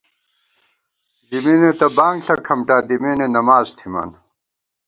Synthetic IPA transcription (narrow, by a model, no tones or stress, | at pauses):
d̪iminet̪ɐbaːŋɡɬɐkʰɐmʈaːd̪imeːnenɐmaːzt̪ʰimɐ̰n